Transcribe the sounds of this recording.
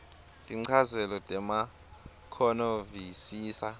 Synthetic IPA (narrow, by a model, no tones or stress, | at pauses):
tʼiŋ͡ǀʰazɛlɔtʼɛma | kʰɔnovisiːsa